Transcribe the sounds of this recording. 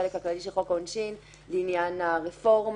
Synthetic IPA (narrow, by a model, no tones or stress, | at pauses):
elekhaklaliʃelχokonʃin | linjanaʁefo̞ʁm